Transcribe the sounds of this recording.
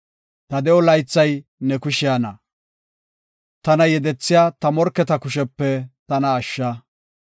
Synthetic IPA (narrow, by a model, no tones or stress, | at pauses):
t̪ɐd̪ɛɔlɐjt͡sːɐjnɛkʊʃɪjaːnɐ | t̪ɐnɐjɛd̪ɛt͡sːɪjaːt̪ɐmɔɾkːɛt̪ɐkʊʃɛpːɛt̪ɐnɐːʃːɐ